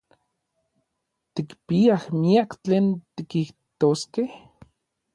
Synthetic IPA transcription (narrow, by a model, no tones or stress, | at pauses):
t̪ikpiahmiakt͡ɬeːnt̪ikiht̪oskeh